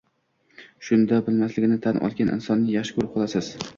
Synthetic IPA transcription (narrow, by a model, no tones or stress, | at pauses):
ʃʊnd̪abɪlmaslɪɡʲnɪt̪ʰanʔɒ̰lˠɡʲanʔɪ̰nsɒnːɪjaʃkʊɾqʰɒlˠasɪz̥